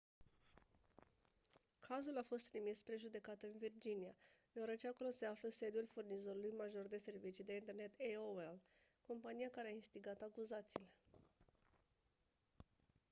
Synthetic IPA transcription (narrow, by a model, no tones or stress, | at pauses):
kʰazulafo̞st̪ɾimispɾe̞ʒud̪e̞kat̪ɨnvird͡ʒinijad̪ewaɾət͡ʃe̞ako̞lo̞se̞afləse̞d̪julfurnizo̞ɾulujmaʒo̞rd̪e̞se̞rvit͡ʃid̪e̞int̪e̞rne̞t̪eoel | ko̞mpanijakaɾeainst̪iɡat̪akuzat̪siːle̞